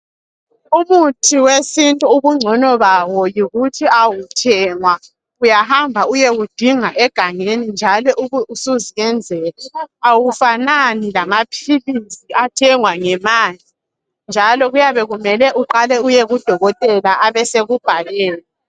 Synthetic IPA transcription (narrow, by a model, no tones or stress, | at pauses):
umutʰiwesintʼuuβuŋ͡ǀʱɔnɔβawɔjiɣutʰiawutʰɛŋwa | ujahambʱaujeɣud̥ʱiŋaʔɛɡ̥ʱaŋenind͡ʒʱalɔʔuuusuziɣɛnd͡zʱɛlaawufananilamapʰiliziatʰɛŋwaŋɛmaːli | nd͡ʒʱalɔɣujaβɛɣumɛlɛʔuǃalɛujeɣud̥ʱɔɣɔtʼɛlaʔaβɛseɣub̥ʱalɛːlɛ